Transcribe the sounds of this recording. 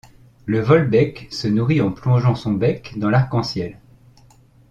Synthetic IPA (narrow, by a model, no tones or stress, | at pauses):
ləvɔlbɛksənuʁiɑ̃plɔ̃ʒɑ̃sɔ̃bɛkd̪ɑ̃laʁkɑ̃sjɛl